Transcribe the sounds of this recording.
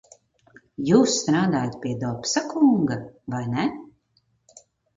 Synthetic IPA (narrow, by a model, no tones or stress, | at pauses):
juːsːt̪ɾaːd̪aːjat̪̚pʲiɛd̪ɔpsakʰuŋɡavajnɛ